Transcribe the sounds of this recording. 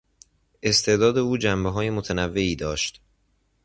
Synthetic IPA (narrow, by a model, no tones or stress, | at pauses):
ʔe̞st̪ʰe̞ːd̪ɒːd̪e̞uːd͡ʒæmbeɦɒːje̞mot̪ʰænævːe̞iːd̪ɒːʃt̪